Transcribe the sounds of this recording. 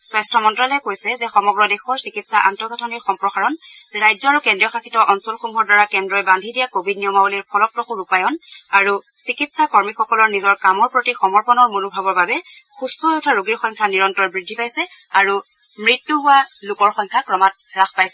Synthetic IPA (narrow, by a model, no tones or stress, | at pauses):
swajstʰɔmɔntɹalɛjkojsɛzɛxɔmɔɡɹɔdɛxɔɹsikitsaʔa̰ntɔɹɡɔtʰɔniɹxɔmpɹɔxaɹɔn | ɹajzɔaɹukɛndɹijɔxakʰitɔʔɔnsɔlxumɔɹdwaɹakɛndɹɔjbandʱidijakobʱidniɔmauliɹpʰɔlɔpɹɔxuɹupajɔnaɹusikitsakɔɹmixɔkɔlɔɹnizɔɹkamɔɹpɹotixɔmɔɹpɔnɔɹmunubʱabɔɹbabɛ | xustɔɔjutʰaɹoɡiɹxɔjŋkʰaniɹɔntɔɹbɹidʱːipajsɛaɹu | mɹitːuɦʊwalʊkɔɹxɔjŋkʰakɹɔmat̚ | ɹaxpajsɛ